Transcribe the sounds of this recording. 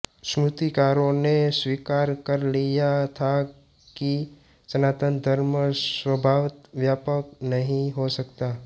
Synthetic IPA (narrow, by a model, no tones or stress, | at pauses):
sɾʊt̪ikaːɾõneswiːkaːɾkəɾlijat̪ʰa | ki | d͡ʒənaːt̪ə̃nd̪ʱəɾməswəbʱaːʋɪt̪ʋjaːpəknɐɦĩɦosɐkt̪aː